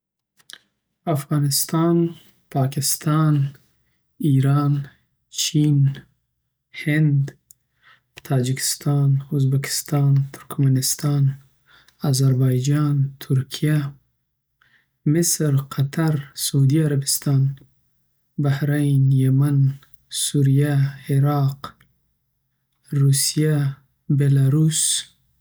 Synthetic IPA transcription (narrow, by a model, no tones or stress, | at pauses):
afɣɑːnɪst̪ɑːn | pʰɑːkɪst̪ɑːn | iɾɑːn | t͡ʃʰiːn | hɪnd̪ | t̪ʰɑːd͡ʒɪkʰɪ̥st̪ɑːnuzbakɪ̥st̪ɑːnt̪ʰʊɾkmanɪst̪ɑːn | azaɾbɑːjd͡ʒɑːnt̪ʰuɾkʰija | mɪsɾqʰat̪ʰaɾsaud̪iaɾabɪst̪ɑːn | bahɾajnjaman | suɾijaeɾɑːq | ɾusija | belaɾus